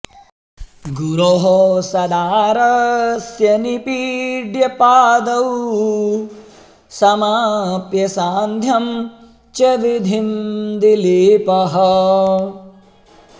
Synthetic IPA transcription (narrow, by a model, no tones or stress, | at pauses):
ɡuɾoːɦosɐd̪aːɾɐsjɐnipiɖjɐpaːd̪ɐw | sɐmaːpjɐsaːnd̪ʱjɐm | t͡ʃɐʋid̪ʱimd̪iliːpɐɦɐ